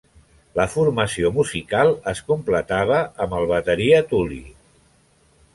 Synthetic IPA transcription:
ləfurməsiomuzikalˠəskumplət̪aβ̞əːməlˠβ̞ət̪əɾiət̪ulḭ

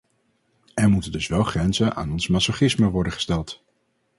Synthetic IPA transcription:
ɛɹmutəndɵsʋɛlˠχrɛnzənʔa̰ːnɔnsmasoχɪsməʋɔɹdəχə̥stɛlˠt

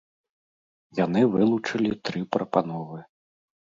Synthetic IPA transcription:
janɨvɨlˠut͡ʂɐlʲit̪ɾɨpɾɐpanɔvɨ

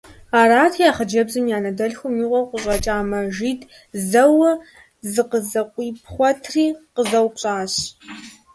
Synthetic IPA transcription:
aːɾaːtʰjaːχɐd͡ʒɐbzɨmjaːnɐdɐɬxʷʊmiːʁʷɐqʷʊʒʼɐt͡ʃʼaːmɐʒiːtʰʼ | zɐwɐ | zɨqəzɐqʷʼiːpʰχʷɔtʰriːqəzɐwpɕʼaːɕ

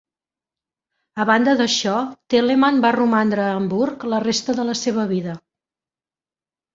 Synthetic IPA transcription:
əβand̪əðəʃɔt̪elemanbarumand̪ɾəːmbuɾklərest̪əðələseβ̞əβ̞iðə

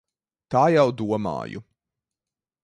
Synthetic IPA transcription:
t̪aːjawd̪uɔma̰ːjṵ

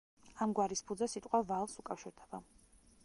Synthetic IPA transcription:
amɡwaɾispʰud̪zɛsit̪ʼqʼwavalˠsukʼafʃiɾd̪ɛba

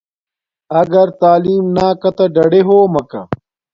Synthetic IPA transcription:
ɐɡɐɾt̪aːliːmnaːkɐt̪ɐɖɐɽeɦoːmɐkɐ

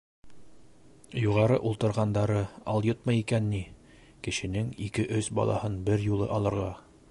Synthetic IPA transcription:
juʁɑɾɤʔulˠt̪ɤ̆ɾʁɑnd̪ɑɾɤɑlˠjot̪̚mɤjikænːi | kɘ̆ʃɘ̆nɘŋikɘʔɵsbɑ̰lˠɑ̰hɤnbɘɾjulˠɤ̰ʔɑlˠɤ̆ɾʁɑ

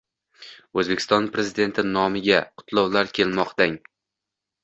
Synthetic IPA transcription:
ɵzbekʲɪ̥st̪ɒnpɾe̞zɪd̪e̞nt̪ʰɪnɒmɪɡʲaqʰʊ̥t̪ʰlˠɒwlaɾkʲʰe̞lmɒqt̪aŋ

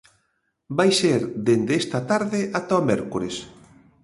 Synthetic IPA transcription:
bajseɾd̪end̪eest̪at̪aɾðeʔat̪aomɛɾkoɾes

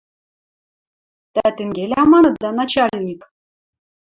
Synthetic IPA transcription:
t̪æt̪ʲɘ̆ŋɡʲelʲæmɑnɤ̆t̪̚d̪ɑnɑt͡ɕɑlʲnʲik

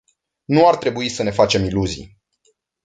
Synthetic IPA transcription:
nuart̪ɾe̞buisəne̞fat͡ʃe̞miluzḭ

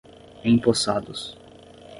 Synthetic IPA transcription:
ẽj̃posad̪ʊs

